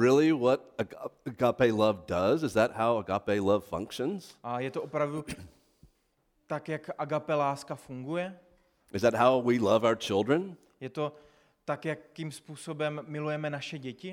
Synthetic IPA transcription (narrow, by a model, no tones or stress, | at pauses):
ɹɪlˠiwʌɾɨəɡɑpeɪlʌvdʌzɨzðɨt̚haʊəɡɑpeɪlʌv̥fʌ̰̃ŋkʃɨ̃nz̥ʔajɛt̪oʔopɾavdu | t̪akjakʔaɡapɛlaːskafuŋɡujɛ | ʔɨzðɨt̚ɦaʊwilʌvaʊə˞t͡ʃʰɪlˠdɹɨ̃n | jɛt̪o | t̪akjakːimspuːsobɛmːɪlujɛmɛnaʃɛɟɛcɪ